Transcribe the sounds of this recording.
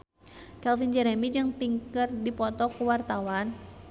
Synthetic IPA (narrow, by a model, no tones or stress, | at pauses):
kɛlfind͡ʒɛɾɛmid͡ʒɨŋpiŋkərdipɔt̪ɔkuwart̪awan